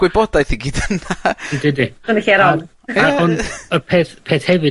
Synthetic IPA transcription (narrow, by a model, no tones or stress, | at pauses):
ɡ̥wɪbɔdajθiɡiːdənandɪdiənəɬiɛɾɔn | əɔnəpʰeːθpʰeːθhɛvɨ